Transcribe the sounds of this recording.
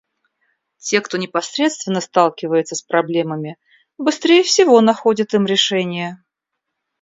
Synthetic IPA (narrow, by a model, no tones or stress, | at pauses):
tʲe̞kt̪o̞nʲɪpɐsɾʲe̞t̪st̪vʲɪnːəst̪alˠkʲɪvəjɪt̪səspɾɐblʲe̞məmʲɪ | bɨst̪ɾʲejəfsʲɪvo̞nɐxo̞dʲɪt̪ɨmɾʲɪʂɛnʲɪjə